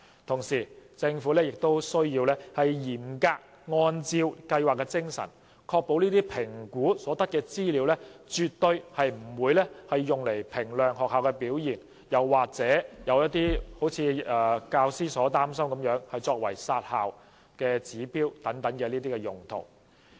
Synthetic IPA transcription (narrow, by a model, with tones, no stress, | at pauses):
t̪ʰʊ˨˩ŋsiː˨˩t͡sɪ˧ŋfuː˨˥lɛː˥jɪ˨k̚t̪o˥wsɵ˥ɥjiː˧wlɛː˥hɐ˨jjiː˨˩mkaː˧k̚ | ŋɔː˧nt͡siː˧wkɐ˧jwaː˨kːɛ˧t͡sɪ˥ŋsɐ̰˨˩n | kʰɔː˧k̚po˨˧wniː˥t̪iː˥pʰɪ˨˩ŋkuː˨˥sɔː˨˥t̪ɐ˥t̚kɛː˧t͡siː˥liː˨˥wlɛː˥t͡ʃyː˨t̚t̪ɵ˧ɥhɐ˨jm̩˨˩wuː˨˧jlɛː˥hɐ˨jːʊ˨ŋle˨˩jpʰɪ˨˩ŋlœː˨˩ŋhɔː˨k̚haː˨wkɛ˧piː˨˥wjiː˨˩n | jɐ˨˩wːaː˨k̚t͡sɛː˨˥jɐ˨˧wjɐ˥t̚t̪iː˥ho˨˥wt͡sʰiː˨˧ɛː˨˧kaː˧wsiː˥sɔː˨˥t̪aː˥msɐ˥mkɐ˨˥mjœː˨˥ŋhɐ˨jt͡sɔː˧k̚wɐ̰˨˩jsaː˧t̚haː˨w | kɛː˧t͡siː˨˥piː˥wt̪ɐ˨˥ŋt̪ɐ˨˥ŋkɛ˨˧niː˥t̪iː˥kɛː˧jʊ˨˩ŋt̪ʰo̰˨˩w